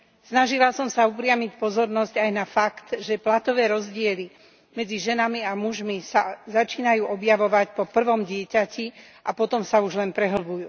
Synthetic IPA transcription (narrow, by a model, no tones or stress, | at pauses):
snaʒilasɔmsaupɾɪamic̚pɔzɔɾnɔzɟajnafakt̪ʒɛplat̪ɔʋɛːɾɔzɟɪɛli | mɛd͡ziʒɛnamiamuʒmisazat͡ʃiːnajuːʔɔbjaʋɔʋacpɔpr̩ʋɔmɟɪɛcaci | ʔapɔt̪ɔmsauʒlɛnpɾɛɦl̩bujṵː